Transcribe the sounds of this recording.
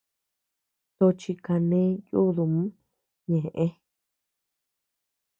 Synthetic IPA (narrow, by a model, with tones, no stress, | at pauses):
t̪o˧t͡ʃi˧ka˧nẽ˦ju˦ðu˧mũ˦ | ɲẽ˨ʔẽ˦